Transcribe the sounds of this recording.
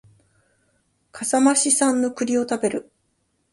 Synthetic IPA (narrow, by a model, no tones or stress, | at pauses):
kʰasamaɕisãnːo̞kɯ̟ɾʲio̞t̪abe̞ɾɯ̟